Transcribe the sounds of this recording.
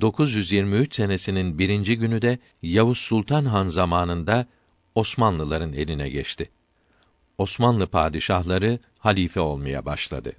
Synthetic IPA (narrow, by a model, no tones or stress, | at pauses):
d̪̥o̞kʰuzjyzjiɾmiyt͡ʃse̞nesininbiɾind͡ʒiɟynyd̪ɛ | javusːulˠt̪ʰanɦanzamaːnɯnd̪a | o̞smanlˠɯlˠaɾɯne̞̰lʲinɛɟɛt͡ʃt̪ʰɪ | o̞smanlˠɯpʰa̰ːd̪iʃahlˠaɾɯ | halʲiːfɛo̞lˠmaja̰baʃlˠa̰d̪ɯ